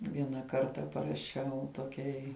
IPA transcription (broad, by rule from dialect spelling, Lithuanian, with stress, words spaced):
ˈʋʲiɛnɐ ˈkɐrtɐ pɐrɐˈʃʲɛʊ toːˈkʲɛɪ